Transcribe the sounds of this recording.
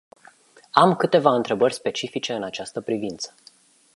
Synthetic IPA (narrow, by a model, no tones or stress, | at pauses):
amkɨt̪e̞vaɨnt̪ɾe̞bərʲspe̞t͡ʃifit͡ʃe̞ɨnat͡ʃast̪əpɾivint̪sə̥